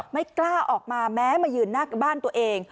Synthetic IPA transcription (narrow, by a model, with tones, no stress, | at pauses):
ma˥˩jklaː˥˩ʔɔː˨˩k̚maː˧mɛː˦˥maː˧jɯː˧nːaː˥˩ka˨˩baː˥˩nt̪u˧ɐʔeː˧ŋ